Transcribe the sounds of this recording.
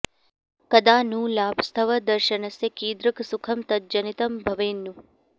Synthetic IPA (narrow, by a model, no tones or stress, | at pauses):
kɐd̪aːnũːlaːbʱst̪ʰɐʋɐd̪ɐɾʃɐnɐsɐkiːd̪ɾɨksukʰɐmt̪ɐt̪̚d͡ʒɐnit̪ɐmbʱɐʋeːnːu